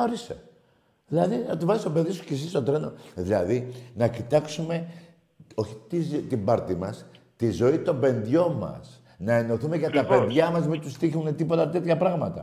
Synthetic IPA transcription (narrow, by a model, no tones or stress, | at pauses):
oɾise | ðilɐðiɐt̪uvɐsist̪o̞peðisu̥cesist̪o̞t̪ɾe̞no̞̰ðilɐðinɐcit̪ɐksume̞ | o̞çi̥t̪izt̪imbɐɾt̪imɐst̪izo̞it̪o̞be̞nðʝo̞mɐ̰s | nɐe̞no̞θumeʝɐt̪ɐpe̞nðʝɐmɐzmit̪ust̪içunet̪ipo̞t̪ɐt̪e̞t̪çɐpɾɐɣmɐt̪ɐ̰